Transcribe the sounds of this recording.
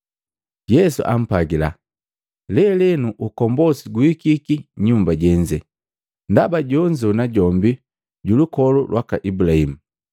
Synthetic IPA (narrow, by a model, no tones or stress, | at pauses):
jɛsṵʔa̰m̩paɡila̰ | lɛlɛnuʔukɔmbɔsiɡuikikiɲumbaɟɛɲd͡ʒɛ | ndabaɟɔɲd͡ʒɔnaɟɔmbi | ɟulukɔlulwʔakaʔibulahimu